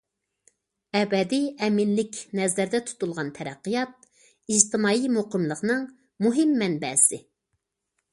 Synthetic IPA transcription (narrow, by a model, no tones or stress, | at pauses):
ɛbɛd̪iɛmɪnlɪkʲnɛzæɾd̪ɛt̪ʰu̥t̪ulˠʁɑnt̪ʰɛɾæqːɨjɑt̪̚ | id͡ʒt̪ʰɪmɑːimoqəmlˠəqnɨŋ | muɦɪmːɛnbɛsɪ